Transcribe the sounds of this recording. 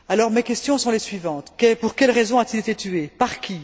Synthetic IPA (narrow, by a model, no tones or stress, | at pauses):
alɔʁmekʲɛst̪jɔ̃sɔ̃lesɥivɑ̃t̪kɛpuʁkʲɛlʁezɔ̃at̪ilet̪et̪yepaʁkʲi